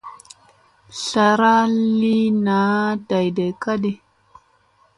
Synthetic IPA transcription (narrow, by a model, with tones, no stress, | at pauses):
ɬa˨ɾa˦li˦na˨˦da˨jde˨ka˦ɗi˨